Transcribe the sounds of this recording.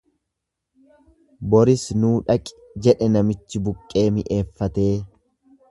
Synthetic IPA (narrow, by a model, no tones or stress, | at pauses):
bɔɾɪsnuːᶑɐkʼɪ̥ | d͡ʒɛᶑɛnɐmɪt͡ʃːɪbʊkʼːe̞ːmɪʔe̞ːfːɐt̪e̞ː